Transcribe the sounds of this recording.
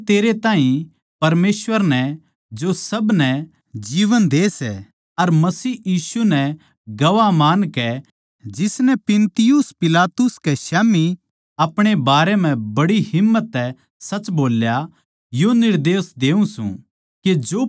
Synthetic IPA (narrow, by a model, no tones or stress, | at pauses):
t̪eːɾet̪aːɦĩ | pɐɾmeːsʋəɾnɛ | d͡ʒosɐbnɛ | d͡ʒiːʋənd̪eːsɛ̰ | ɐɾmɐsiːjiːsunɛ | ɡɐʋamaːnkɛ | d͡ʒɪsnɛpɪnt̪ɪjʊspɪlaːt̪ʊskeʃɛːmi | ɐpɽ̃ebaːɾɛmɛ̃bɐɽiɦɪmːət̪ːɛ | sɐt͡ʃboːlja | jonɪɾd̪eːsd̪eːũsṵ̃ | ked͡ʒoː